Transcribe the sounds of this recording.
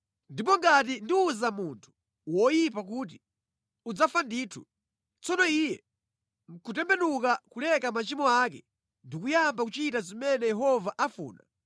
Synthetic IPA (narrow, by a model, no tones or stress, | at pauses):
ndip̬ɔŋɡat̬indiuzamuntʰu̥ | wɔjipak̬uːt̬i | ud͡zafandiːtʰu̥̰ | t͡sɔnɔijɛ | ŋ̩kʰutɛmbɛnukakulɛkamat͡ʃimɔak̬ɛ | ndik̬ujambakut͡ʃitazimɛnɛjɛɦɔvaʔafṵːna̰